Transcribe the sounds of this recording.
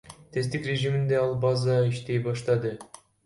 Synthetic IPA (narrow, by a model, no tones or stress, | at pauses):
t̪ʰe̞st̪ikrʲe̞ʒimind̪e̞ɑlˠbɑzɑiʃt̪e̞jbɑʃt̪ɑd̪ɯ